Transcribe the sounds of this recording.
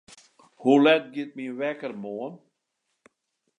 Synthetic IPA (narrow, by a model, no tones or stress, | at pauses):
hulɛt̚ɡɪət̚miəʋɛkərmoən